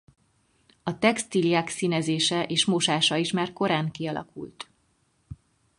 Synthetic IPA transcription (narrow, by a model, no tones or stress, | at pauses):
ɒt̪ɛkst̪ilijaːksinɛzeːʃɛʔeːʃmoʃaːʃɒiʃmaːrko̞ɾaːŋkiɒlɒ̰kṵlt̪